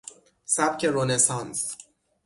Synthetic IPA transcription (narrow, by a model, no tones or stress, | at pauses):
sæb̥cʰe̞ɾonesɑns